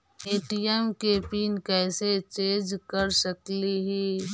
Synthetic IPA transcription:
eːʈiɛmkepiːnkɛːset͡ʃẽːd͡ʒkəɾsəkliɦi

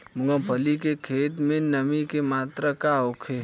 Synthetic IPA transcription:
mʊŋɡə̃pʰəlikekʰeːt̪mẽnɐmikemaːt̪ɾəkaokʰe

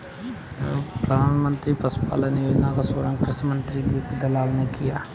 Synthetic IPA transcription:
pɾəd̪ʱaːnmənt̪ɾiːpəspa̰ːlaːneoːnãːkasoːɾãːkɾɪsmənt̪ɾiːd̪iːkd̪əlaːlneːkɪjaː

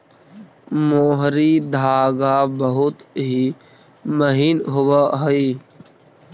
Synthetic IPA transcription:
moːɦɾiːd̪aːɡaːbəɦʊt̪ɦiː | məɦiːnɦʊwaɦəiː

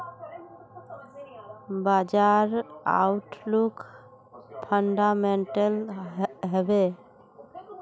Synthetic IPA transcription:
bad͡ʒaɾa̰ʊʈlukʰ | pʰəɳɖameɳʈelɦebe

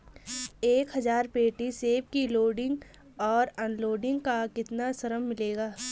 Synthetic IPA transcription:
eːkɦɐzaːɾpeːʈiseːb̚kiloːɖɪ̃ŋɡ | ɔːɾɔːnloːɖɪ̃ŋɡkakɪt̪nasɐɾəmːɪleːɡaː

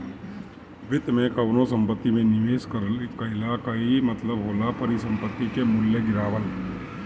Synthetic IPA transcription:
ʋɪt̪mẽkɐʋnõsɐ̃mpət̪ːimẽnɪʋeːskkɐɦɪlakɐimɐt̪ləbɦoːlapɐɾisɐ̃mpət̪ːikemʊlːeɡɪɾaːʋəl

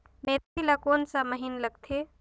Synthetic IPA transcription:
meːɾilakoːnsaməɦinləɡ̚t̪ʰe

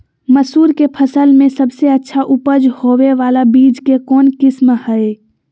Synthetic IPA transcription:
məsuːɾkepʰəsəlmẽsəbseɐtːʃʰaʔʊpəd͡ʒhoʋeʋaːlabiːd͡ʒkekɔːnkɪsmhəe

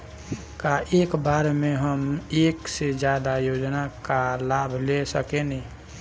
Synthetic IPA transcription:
kaeːkbaɾmẽɦəmeːksed͡ʒjad̪ajod͡ʒnakalabʱlesəkeni

